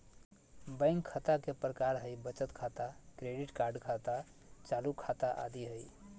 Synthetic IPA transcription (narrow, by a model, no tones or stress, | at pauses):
bə̃ɪ̃ŋɡkʰət̪akepɾəkaɾɦəjbət͡ʃət̪kʰat̪akɾeɖiʈkaɾɖkʰat̪a | t͡ʃalukʰat̪aʔa̰d̪iɦəj